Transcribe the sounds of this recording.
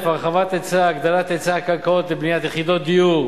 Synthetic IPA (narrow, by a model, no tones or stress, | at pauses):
faʁχavat̪et͡saːɡd̪alat̪et͡sakalkaot̪lebnijat̪jeχid̪ot̪̚d̪iju